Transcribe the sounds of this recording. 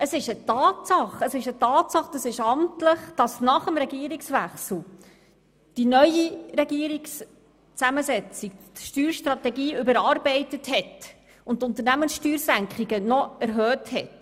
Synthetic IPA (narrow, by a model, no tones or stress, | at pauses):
əsɪʃətɑːtsɑχəsɪʃətɑːtsɑχd̥ɑsɪʃɑmtləχd̥ɑsnɑχəmɾɛɡiəɾiksʋæχsl̩ˠ | d̥inœʏiɾɛɡiəɾiks | t͡sæməzɛt͡sik̚tʃtyːɾʃtɾɑtɛɡiːʏbəɾɑːɾbɛɪtəthɛt | ʊntːʊnt̪əɾnæmənsʃtyːɾsæŋkχiɡənɔæɾɦœːthɛt